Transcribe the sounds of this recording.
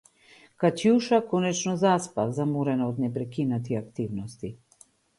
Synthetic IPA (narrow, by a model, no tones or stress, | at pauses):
kat͡ʃjuʃakɔnɛt͡ʃnɔzaspavzamuɾɛnaod̪nɛpɾɛkinat̪iakt̪ivnɔst̪i